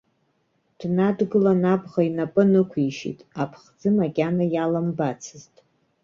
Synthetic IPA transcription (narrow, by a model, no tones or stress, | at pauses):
d̥nadɡɨlanabʁainapʼɨnɨkʷʰiʃḭtʼapʰχd͡zɨmaɡʲʼanajalambat͡sʰɨztʼ